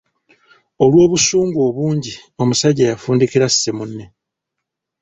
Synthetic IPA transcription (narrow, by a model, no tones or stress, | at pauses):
o̞lwo̞ːβusuːŋɡuo̞βuːɲɟio̞musaɟejafuːndikiɾasi̥semunːe̞